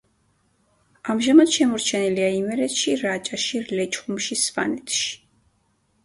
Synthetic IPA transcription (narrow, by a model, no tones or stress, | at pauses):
amʒamad̪̥ʃɛmɔɾt͡ʃʰɛniliaimɛɾɛt̪ʃiɾat͡ʃʼaʃiɾlɛt͡ʃʼχumʃispa̰nɛt̪ʰʃi̥